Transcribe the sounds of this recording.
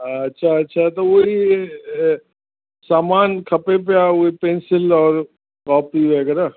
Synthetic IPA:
ɐtːʃʰaɐtːʃʰat̪oʋoɦi | saːmaːnkʰɐpepeaʋoipẽnsɪlɔːɾ | kɔːpiʋɛɡɛɾa

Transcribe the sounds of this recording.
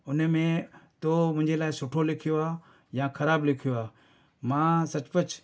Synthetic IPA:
ʊnmẽt̪omʊ̃ɦɪ̃ɲd͡ʑelaːɪsʊʈʰolɪkʰijoaː | jãːkʰɐɾaːblɪkʰijoaː | mãːsɐt͡ɕpət͡ɕ

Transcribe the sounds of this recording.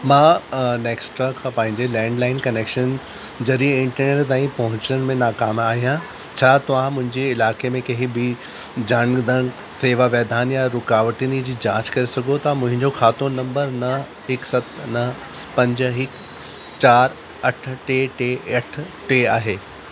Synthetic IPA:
mãːneːksʈɾakʰãːpɐ̃ɦɪ̃ɲd͡ʑelɛ̃ːɳɖlaːɪnkɐneːkʃən | d͡ʑɐɾiɪ̃ɳʈəɾneːʈt̪aːĩpɐɦʊ̃ɲt͡ɕənɪ̆mẽnaːkaːmaːɦijã | t͡ɕʰaːt̪ɐʋ̤ãmʊ̃ɦɪ̃ɲd͡ʑeɪlaːkemẽkɐɦɪbʱi | d͡ʑanɡd̪ʱəɽ | seːʋaʋɛːd̪ʱaːnjaɾʊkaːʋəʈinid͡ʑiːd͡ʑãːt͡ɕkɐɾesɐɡʱot̪ɐmʊ̃ɦɪ̃ɲd͡ʑoxaːt̪onɐ̃mbəɾnɐɦ | ɦɪksɐt̪ʰnɐɦ | pɐ̃ɲd͡ʑ̆ɦɪk | t͡ɕaːɾ | ɐʈʰʈeːʈeɐʈʰʈeaːɦeː

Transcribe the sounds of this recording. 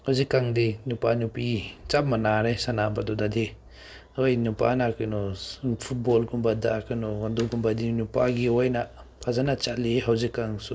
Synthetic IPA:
hawzikːaŋdinupanupit͡ʃap̚manaɾesanabadɔdadi | ojnupa̰nakɯnɔpʰut̚bɔlɡunbadakɯnɔɡanduɡumbadinupaɡiojna | pʰazanat͡ʃaliɦawzikːaŋsu

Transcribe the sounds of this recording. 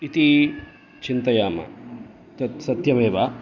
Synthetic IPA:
it̪i | t͡ʃint̪ɐjaːmɐ̰ | sɐt̪jɐʋeːʋa

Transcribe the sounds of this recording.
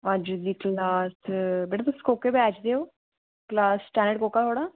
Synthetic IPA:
əd͡ʒd̪iːklaːsbeːʈaːt̪ʊsi̥koːkeːbɛːt͡ʃd̪eːoː | klaːssʈɛːnəɖkoːkaːɦoːɽaː

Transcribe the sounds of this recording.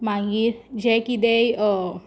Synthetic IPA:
maɡiɾd͡ʑekid̪ej

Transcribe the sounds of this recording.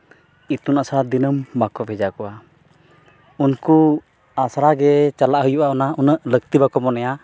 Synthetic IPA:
it̪unasɾad̪inəmbakɔbʱɛd͡ʒakɔwa | unku | asɾaɡɛt͡ʃalaʔɦujuʔaɔnaunəʔləkt̪ibakɔmɔnɛja

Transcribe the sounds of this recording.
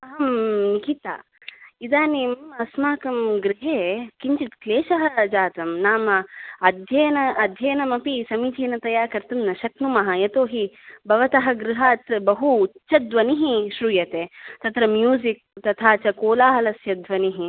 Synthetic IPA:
ɐɦɐmnikit̪a̰ː | id̪aːnimɐsmaːkɐmɡɾiɦeːkiɲt͡ʃit̪kleːʃɐɦɐd͡ʒaːt̪ɐmnaːmɐɐd̪ʱjɐjɐnɐɐd̪ʱjɐjɐnɐmɐpisɐmiːt͡ʃiːnɐt̪ɐjaːɾkɐɾt̪ɐmnɐʃɐknumɐɦɐjɐt̪oːɦibɐʋɐt̪ɐɦɐ̆ɡɾiɦaːt̪bɐɦuːt͡ʃːɐd̪ʋɐniɦiʃɾuːjɐt̪eːt̪ɐt̪ɾɐmjuːzik̚t̪ɐt̪ʰaːt͡ʃɐkoːlaːɦɐlɐsjɐd̪ʋɐniɦi

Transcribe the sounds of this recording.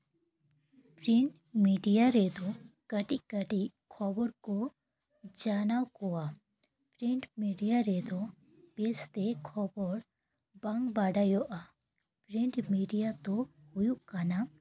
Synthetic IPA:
pɾiɳʈ | miːɖijaɾeːd̪okəʈikəʈikʰɔːbɔɾko | d͡ʒaːnawkoa | pɾiɳʈmiːɖijaɾeːd̪o | beːst̪ekʰɔbɔɾ | bɐŋɡbaːɖaːjoʔa | pɾiɳʈmiːɖijat̪o | hʊjukana

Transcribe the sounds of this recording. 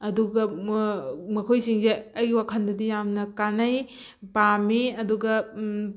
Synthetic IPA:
ɐduɡɐ | mɐkʰojsiŋseɐjɡiwakʰɐndɐdijamnɐkanɐj | pamiɐduɡɐ

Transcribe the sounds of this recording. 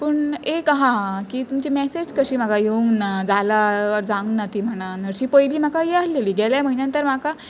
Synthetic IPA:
pəɳekɦãkiːt̪umt͡ɕimɛsed͡ʑkəɕiːm̤akajeuŋɡnad͡zalaɔɾd͡zãŋɡnat̪iːm̤əɽ̃anəɾɕiːpəjliːm̤akajeasleliːɡɛljam̤əɦinjãnt̪əɾm̤aka

